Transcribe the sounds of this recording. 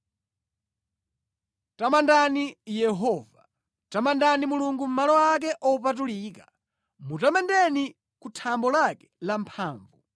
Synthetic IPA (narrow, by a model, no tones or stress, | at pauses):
tamandanijɛɦɔːva | tamandanimuluŋɡum̩malɔwak̬ɛʔɔupat̬uliːkḁ | mutamɛndɛni | kutʰambɔlakɛ̥lampʰaːɱvu